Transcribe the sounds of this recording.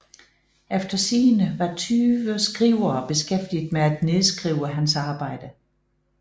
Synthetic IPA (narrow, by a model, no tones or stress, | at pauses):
efd̥ɐsiːnəʋɑ̈t͡sʰyːʋəsɡ̥ʁiʊ̰ɐːb̥e̝sɡ̥efd̥id̥meæd̥ne̝ðˠsɡ̥ʁiːʊəɦænsɑ̈ːb̥ɑ̈ɪ̰d̥ə